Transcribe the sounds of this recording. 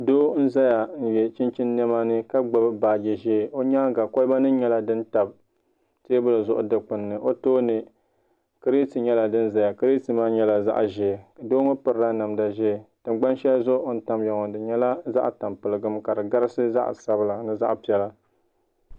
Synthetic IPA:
doː˦n̩˦za˦ja˨n̩˨jɛ˨t͡ʃɪ˦nt͡ʃɪ˦nːɛ˦maː˦nɨ˦ka˦ɡ͡ba˨bɨ˦baː˨ɡɛ˨ʒeː˦˨o˦ɲaː˦ɡa˨ko˦lba˦nɨ˦ɲɛ˦la˦dɨ˦n˦ta˨b̚ | teː˦bɨ˦lɨ˨zʊ˦ʔʊ̰˨dɨ˨k͡pɨ˨nːɨ˨ʔo˦toː˦nɨ˨ | kɾi˦ti˨ɲɛ˦la˨dɨ˦n˦za˦ja˨kɨ˦ɾi˦ti˨maː˦ɲɛ˦la˨za̰˦ʔʒɛː˨ka˨doː˦ŋo˦pɨ˨ɾɾa˦na˨mda˨ʒɛː˦˨tɨ˨mɡ͡ba˦nʃɛ˦zʊ˦ʔn̩˦ta˦mja˨ŋɔ˨dɨ˨ɲɛ˦la˦za̰˦ʔta˨mpɨ˨lɨ˨ɡɨ˦mka˨dɨ˨ɡa˦ɾɨ˦sɨ˦za̰˦ʔsa˦bɨ˦la˨nɨ˦za̰˦ʔpi˨ɛ˦la˦

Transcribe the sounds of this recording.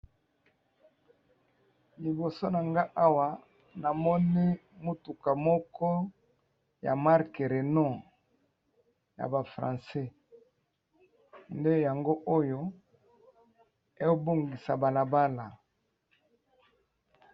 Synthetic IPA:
li˨bo˨so˦na˨ŋɡa˦ʔa˦wa˨ | na˨mɔ˦ne˦mo˦tu˨ka˨mɔ˦kɔ˦ | ja̰˨ma˦ʁke˨ʁe˨nɔ˦ | ja̰˨ba˨fʁã̰˨sɛ˦ | nde˦ja˨ŋɡo˦ʔo˦jo˦ | e˦o˦bo˦ŋɡi˨sa̰˨ba˨la˨ba˦la˨

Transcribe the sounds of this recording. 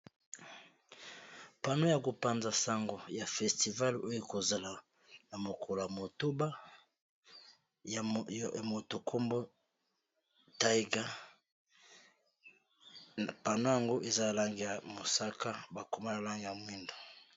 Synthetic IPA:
pa˨no˦ja˨ko˨pa˦nza˨sa˦ŋɡo˨ja˨fɛ˨sti˨va˦lo˦jo˦ko˨za˨la˨ | na˨mo˨kʰo˨la˨mo˨to˦ba˦˨ | mo˨to˨kʰo˦mbo˦ | ta˦i˦ɡa˦˨ | pa˨no˦ja˨ŋɡo˦ʔe˨za˦a˨la˦ŋɡi˨ja˨mo˨sa˦ka˦ba˨ko˨ma˦na˨la˦ŋɡi˨ja˨mwi˦ndo˨

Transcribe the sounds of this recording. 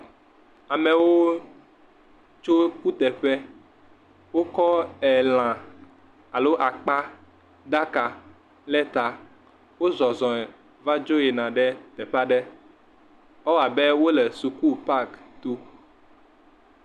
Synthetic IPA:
a˨mɛ̃˨wo˦ | t͡ʃo˦ku˦t̪ɛ˨ɸɛ˦ | wo˦kɔ˦ɛ˨l̃ã˨ | a˨lo˦ʔa˨k͡pa˦ | d̪a˦ka˨ | lɛ˦t̪a˨ | wo˦zɔ˨zɔ̃˨ɛ˨ | va˦d͡ʒo˦jɛ˨nã˨ɖɛ˦t̪ɛ˨ɸa˦ɖɛ˦ | ɔ˦˨a˨bɛ˦wo˦lɛ˨su˨ku˦pa˦kt̪u˦

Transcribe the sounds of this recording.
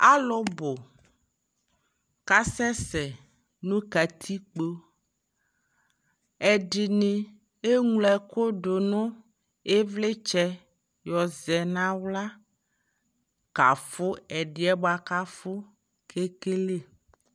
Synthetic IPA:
a˦lo˦bo˨ | ka˦sɛ˦sɛ˨ | nũ˦ka˨t̪ʰi˦k͡po˦ | ɛ˨ɖi˨ne˨ | e˦ŋũ˦lɛ˨ko˦ɖo˨nõ˦ | e˦vle˦t͡ʃɛ˦ | jɔ˨zɛ˨nã˦wla˦ | ka̰˨fo˦ɛ˨ɖi˨ɛ˦ba˨ka˦fo˦ | kʰe˦ke˦le˦

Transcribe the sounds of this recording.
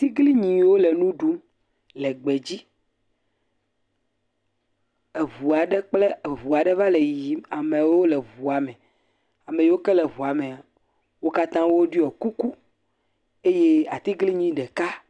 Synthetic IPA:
t̪i˦ɡli˦ɲĩ˨wo˦le˨nũ˦ɖu˦ | lɛ˨ɡ͡be˨d͡ʑi˦ | e˨vu˨a˨ɖe˦k͡ple˦˨vu˨a˨ɖe˦va˦le˨ji˨a˨mẽ˨wo˦lɛ˨vu˨a˨mɛ˨ | a˨me˨jwo˦kɛ˦le˨βu˨a˨me˨a˨ | wo˦ka˦t̪ã˦wo˦ɖi˦ɔ˨ku˦ku˦ | e˦je˦a˨t̪i˦ɡli˦ɲĩ˦ɖɛ˨ka˦

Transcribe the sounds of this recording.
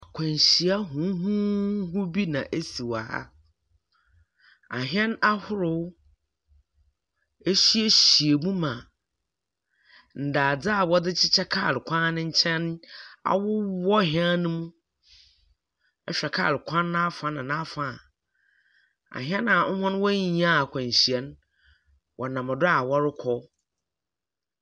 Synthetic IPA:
a˨kʷʰɛ̃˨ɲ˨ɕi˨a˦ɦũ˨˦ɦũ˦ɦʊ˦bi˦nã̰˨ʔe˦si˨wa˨ha̰˦ | a˨ɦɛ̃˦na˦hʊ˦ɾʊ˨w | e˦ɕi˦e˦ɕi˨e˨mũ˦mã˨ | n̩˨da˨d͡zɪ˦a˨wɔ˦dɪ˦t͡ɕʰɪ˦t͡ɕʰɛ˦kʰaː˦˨ɾɪ˨kʷʰã˦nɪ̃˦ɲ̩˦t͡ɕʰɛ̃˦n˦a̰˨wʊ˦wɔ˦ɦɪ˦a˦nʊ̃˦mũ˦ | ɛ˦ɕᶣɛ˨kʰa̰ː˦˨ɾɪ˨kʷʰã˦ñː˦a˦fã˨nɪ̃˨nã˦fã˨ | a̰˨ɦɛ̃˦nã˨ŋ̩˦hʊ̃˦n˦wɔ˦ɲĩ˨˦ã˦˨kʷʰã˨ɲ˨ɕi˨ɛ˦n | wʔɔ˨nã˨mã˨dʊ˦a˨wɔ˦ɾɪ˦kʰɔ˦

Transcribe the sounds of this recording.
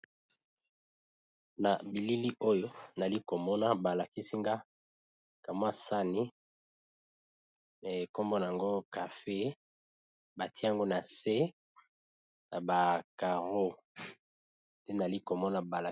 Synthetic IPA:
na˨bi˨li˦li˦ʔo˦jo˦na˨li˦ko˨mɔ˦na˦ba˨la˨ki˦si˦ŋɡa˦ | ka˨m˦a˦sa˦ni˦ | e˨ko˦mbo˦na˨a˨ŋɡo˦ka˨fe˦ | ba˨ti˦a˨ŋɡo˦na˨se˦ | na˨ba˨ka˨ʁo˦ | de˦na˨li˦ko˨mɔ˦na˨ba˨la˨

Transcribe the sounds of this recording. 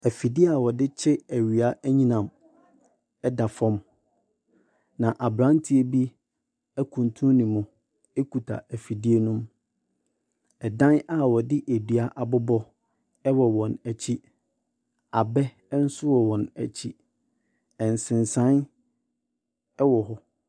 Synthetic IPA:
æ˨fi˨di˦a˨wɔ˨dɪ˦t͡ɕʰɪ˦æ˨ɥi˨a˦ʔæ˦ɲĩ˦nã˨m | ɛ˦da˨fɔ̃˦m | nã˨ʔa˨bɾã˦n˦tʰi˨˦e˦bi˦ | æ˦kʰũ˨ntʰũ˦nĩ˨mʊ̃˨ | e˦ku˨tʰa̰˨æ˨fi˨di˦e˦nũ˦m | ɛ˨dã˦na˦wɔ˨dɪ˦ʔæ˨dɥa˦ʔa˨bʊ˦bɔ˦ | ɛ˦wɔ˨wɔ̃˨næ˨t͡ɕʰi˦ | a˨bɛ˦ | n̩˦sʊ˦wɔ˨wɔ̃˨næ̰˨t͡ɕʰi˦ | ɛ̃˨n˨sɪ̃˨n˨sã˦n | ɛ˦wɔ˨ɦɔ˦

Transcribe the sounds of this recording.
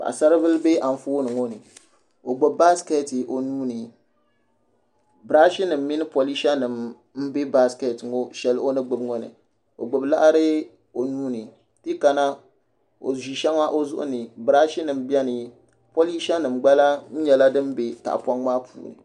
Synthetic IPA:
ba̰˨a̰˨sa˦ɾɨ˦vɨ˦lbe˦ʔa˨ɱ̩˦foː˦nɨ˨ŋo˦nɨ˨ | o˨ɡ͡bo˨ba˦ske˦˨ti˨ʔo˨nuː˦nɨ˨ | bɾa˦ʃi˦nɨ˨m̩ː˦i˦nɨ˦po˨li˦ʃa˦nɨ˨m | m̩˦be˦ba˦ske˨tŋo˦ʃɛ˦lo˦nɨ˦ɡ͡bʊ˨bŋo˦nɨ̰˨ | o̰˨ɡ͡bʊ˨bla̰˦ʔa˦ɾɨ˦ | o˨nuː˦nɨ˨ | ti˦ka˨na˦ | o̰˨ʒi˨ʃa˦ŋa˦ʔo˦zʊ˦ʔʊ̰˦nɨ˨bɾa˦ʃi˦nɨ˨mbi˦ɛ˦nɨ˨ | po˦li˦ʃa˦nɨ˨mɡ͡ba˦la˦ɲ̩˦ɲɛ˨la˦dɨ˦m˦be˨ka̰˨ʔpa˦ŋmaː˦pʰṵː˨nɨ̰˨

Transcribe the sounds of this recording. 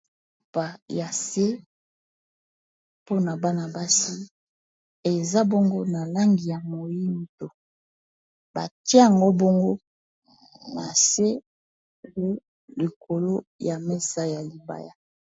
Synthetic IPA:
pa˨ja˨se˦ | po˦na˨ba˦na˨ba˦si˦ | e˨za˦bo˦ŋɡo˦na˨la˦ŋɡi˨ja˨mo˨ji˦n˨to˨ | ba̰˨ti˦a˨ŋɡo˦bo˦ŋɡo˦ | na̰˨se˦ | wu˦ | li˨kʰo˨lo˦ja˨me˦sa˦ja˨li˨ba̰˨ja˦

